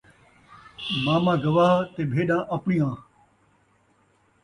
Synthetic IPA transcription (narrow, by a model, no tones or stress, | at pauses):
mãːmãːɡɐʋaːɦt̪eːbʱeːɗãːʔɐpɳiːãː